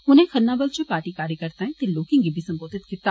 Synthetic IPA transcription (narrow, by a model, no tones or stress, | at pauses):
ʊnẽxɐnnːaːbəld͡ʑopaːɾʈikaːɾekɐɾt̪aːɦɛ̃t̪eloːkɪ̃ŋɡibʱisɐ̃mboːd̪ʱɪt̪kɪt̪a